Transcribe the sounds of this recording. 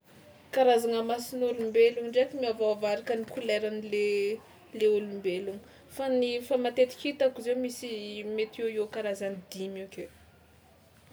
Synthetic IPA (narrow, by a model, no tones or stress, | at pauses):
kaɾazaŋəmasinulumbeluŋɳɖ͡ʐekimiavaavaɾikənikuleɾanile | leulumbeluŋə | fanifamat̪et̪i̥kit̪akizewmisimet̪ieiokaɾazanid̪imeke